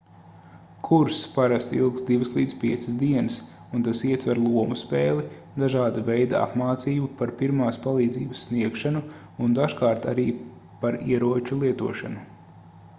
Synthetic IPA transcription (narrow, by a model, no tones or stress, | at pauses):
kʰuɾspaɾast̪ḭlˠksd̪ivəslˠiːd̪zpiɛt̪sɨsd̪iɛnɨs | unt̪asiɛt̪vɛɾlˠuɔmuspɛːlˠi | d̪aʒaːd̪avɛjd̪aa̰pmaːt̪siːbupaɾpiɾmaːspalˠiːd̪zḭːbəsːniɛkʃanu | und̪aʒkaːɾt̪aɾiː | paɾḭɛɾuɔt͡ʃulˠiɛt̪uɔʃanu